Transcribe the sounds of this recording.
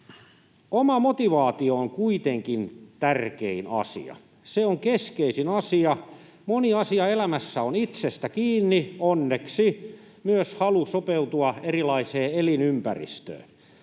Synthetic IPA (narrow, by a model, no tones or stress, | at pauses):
omɑmot̪iʋɑːt̪iooŋkuit̪eŋkint̪ærkḛinɑ̰sḭɑ̰ | seoŋkeskeisinɑsiɑ | moniɑsiɑelæmæsːæonit̪sest̪ækiːnːionːeksi | myøshɑlusopeut̪uɑerilɑiseːelinympærḭst̪ø̰ː